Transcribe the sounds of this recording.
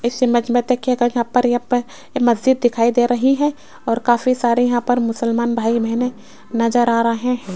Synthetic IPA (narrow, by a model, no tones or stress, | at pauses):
ɪsɐmɐd͡ʒmẽt̪ekjekajɐɦãpɐɾjɐɦãp | mɐzd͡ʒɪd̪̚ːɪkʰaːid̪eːɾɐɦiɦɛ̃ | ɔːɾkaːfisaːɾejɐɦãpɐɾmʊsəlmaːnbʱaːibɛɦne | nɐzəɾaːɾɐɦẽ